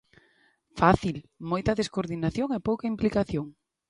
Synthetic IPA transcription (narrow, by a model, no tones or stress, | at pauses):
faθilmojt̪ɐðeskoɾðinaθjoŋepowkɐimplikaθjoŋ